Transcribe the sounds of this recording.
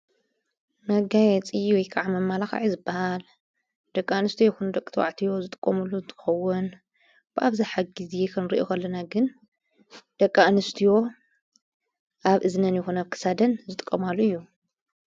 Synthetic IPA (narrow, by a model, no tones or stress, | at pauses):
mɐɡajɛt͡sʼiwɔjkʰaʕamɐmːalaxa̰ʕizɨbːahal | d̪̥ɐkʼːanɨst̪ʰijoɛkʰund̪ɐkʼːɨt̪ʰwa̰ʕt̪ʰijo̞zɨt̪ʼɨ̥kʼːɐmulːunt̪ʼʰɨ̥xɐwːun | b̥ɨʔaβziħaɡɡizjekʰɐnɾiʔokʰɐlːɐnaɡɨn | d̪̥ɐkʼːanɨst̪ʰijo̞ | ʔaβʔɨznɐnjɛxonɐβkʰɨ̥sad̪ɐnzɨt̪ʼɨ̥kʼːɐmalːuɨjːu